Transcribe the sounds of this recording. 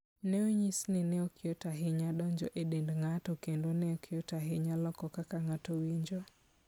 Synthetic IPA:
nɛoɲisnɛnɛokɪotaɦɪɲadɔɲd͡ʒɔ̰ʔedendŋatɔkendonɛokʰɪotaɦɪɲalɔkɔkakaŋatowiɲd͡ʒo

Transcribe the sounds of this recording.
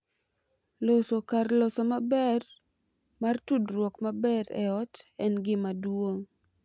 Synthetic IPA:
losokarlosomabɛr | martudrwɔkmabɛɾɛ̰ɔtɛnɡɪmadwoŋ

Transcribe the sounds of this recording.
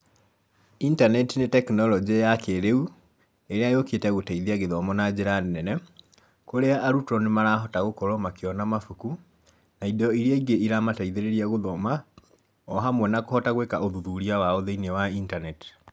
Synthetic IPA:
intanɛtinetɛknɔlɔd͡ʒejakeɾeu | eɾeajoketɛɣotaiðeaɣeðɔmɔnad͡ʑeɾannɛnɛ | koɾeaʔaɾutɔnemaɾaːɦɔtaɣokɔɾɔmakeɔnamafuku | naidɔiɾiaiɡeiɾamataiðeɾeɾiaɣoðɔma | ɔɦamwɛnakohɔtaɣwekaoðuðuɾiawaoðeinewaintanɛti̥

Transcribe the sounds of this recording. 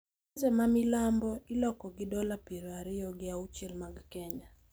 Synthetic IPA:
zɛmamilambɔilɔkɔɡɪdɔlapiɾoaɾɪjɔɡɪaut͡ʃelmaɡkɛɲa

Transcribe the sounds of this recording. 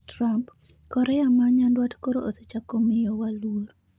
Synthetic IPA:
tɾampkɔɾɛamaɲandwatkoɾooset͡ʃakomɪjɔwaluoɾ

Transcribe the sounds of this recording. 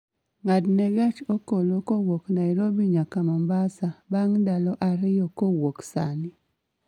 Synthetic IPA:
ŋadnɛɡat͡ʃokolokowoknaiɾobiɲakamambasabaŋdalɔʔaɾɪjɔkowoksanɪ

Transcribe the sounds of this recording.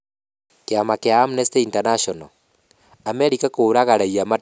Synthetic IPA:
keamakeaːmunesteintanaʃɔnɔ | ameɾikakoːɾaɣaɾaiama

